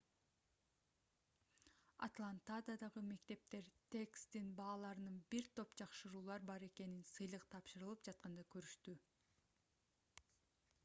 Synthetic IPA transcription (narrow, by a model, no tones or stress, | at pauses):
a̰t̪lˠant̪ad̪ad̪ɑʁɯme̞kt̪e̞p̚t̪e̞ɾt̪ʰe̞kst̪inbɑːlˠɑɾɯnɯnbiɾt̪ʰo̞pd͡ʒɑqʃɯɾuːlˠɑɾbɑɾe̞ke̞ninsɯjlˠɯqt̪ʰɑpʃɯɾɯlˠɯpd͡ʒɑt̪̚qɑnd̪ɑkøɾyʃt̪y